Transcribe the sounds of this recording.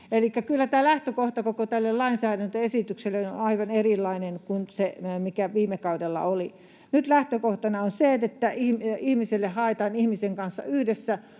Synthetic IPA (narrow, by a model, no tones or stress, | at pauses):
elikːækylːæt̪æːlæht̪økoht̪ɑkokot̪ælːellɑinsæːɾænt̪øesit̪ykselːenonɑiʋɑnerilːɑinenkunsemikæʋiːmekɑudelːɑ̰oli | nyt̪læht̪økoht̪ɑnɑonseet̪et̪ːæihmihmiselːehhɑet̪ɑːnihmiseŋkɑnsːɑ̰yhdesːæ